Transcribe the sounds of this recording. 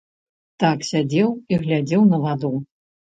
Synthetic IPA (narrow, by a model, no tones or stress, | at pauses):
t̪aksʲad͡zʲɛwiɣlʲad͡zʲɛwnɐvad̪u